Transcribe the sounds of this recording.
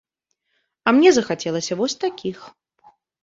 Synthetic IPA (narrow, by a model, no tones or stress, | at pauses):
ɐmnʲɛzɐxat͡sʲɛlˠɐsʲɐvɔsʲt̪akʲix